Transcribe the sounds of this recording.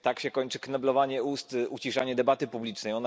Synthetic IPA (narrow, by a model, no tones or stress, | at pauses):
t̪akɕɛkɔɲt͡ʂɘknɛblɔvaɲɛust̪ut͡ɕiʂaɲɛd̪ɛbat̪ɘpublʲit͡ʂnɛjɔna